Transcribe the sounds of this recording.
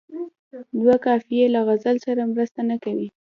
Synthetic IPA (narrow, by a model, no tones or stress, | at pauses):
d̪wakɑfijelaɣazalsaɾamɾəst̪anakawi